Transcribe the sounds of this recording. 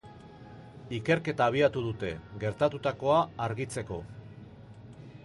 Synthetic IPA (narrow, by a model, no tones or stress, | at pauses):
ike̞ɾke̞t̪aːβ̞iat̪uð̞ut̪e̞ɣe̞ɾt̪at̪ut̪ako̞aːɾɣit͡se̞ko̞̰